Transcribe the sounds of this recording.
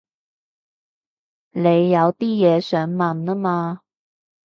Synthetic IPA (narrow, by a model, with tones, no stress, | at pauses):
le˨˧jːɐ˨˧wt̪iː˥jɛː˨˧˥sœː˨˥ŋmɐ˨˩nnə˥maː˧